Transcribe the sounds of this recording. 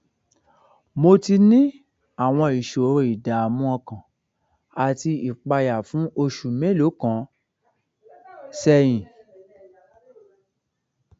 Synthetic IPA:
mo˧ti˧nĩ˦ | a˦˨w̃ɔ̃˧i˨ʃo˨ɾo˧˨i˨da˨mũ˦ɔ̃˧kã˨ | a˨ti˧i˨k͡pa˧ja˨fũ˨˦o˧ʃu˨mẽ˨˦lo˨˦kã˨˦ | sɛ˧j̃ĩ˨

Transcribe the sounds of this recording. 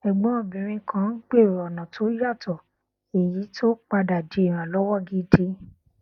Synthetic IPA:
ɛ˨ɡ͡bɔ̃˨˦˨bĩ˨ɾ̃ĩ˧kʰã˦k͡pe˦˨ɔ˨nã˨tʰo˨˦ja˦˨tɔ˨ | e˨ji˨˦tʰo˦k͡pa˧da˨d͡ʒe˨˦e˦˨ɾ̃ã˨lɔ˦wɔ˦˨ɡi˦de˧

